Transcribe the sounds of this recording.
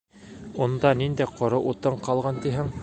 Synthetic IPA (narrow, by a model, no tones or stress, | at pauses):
und̪ɑnind̪æqʰŏɾɤʔut̪ɤɴqɑlˠʁɑnt̪iɦɘŋ